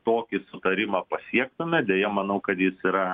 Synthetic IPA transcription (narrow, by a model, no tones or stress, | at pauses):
t̪oːkʲɪsʊt̪ɐɾʲɪmɑːpɐsʲiɛk̚t̪ʊmʲɛd̪ʲejɛmɐnɐʊkɐt̪jɪsiːɾɐ